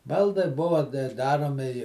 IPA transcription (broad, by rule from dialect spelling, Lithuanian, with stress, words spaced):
ˈbɐlˠdɐɪ ˈbʊʋɐ ˈdɑːroːmʲɪ ɪ